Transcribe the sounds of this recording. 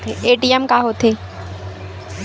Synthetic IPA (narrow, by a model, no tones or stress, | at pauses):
eeːʈiɛmkaːɦoːt̪ʰeː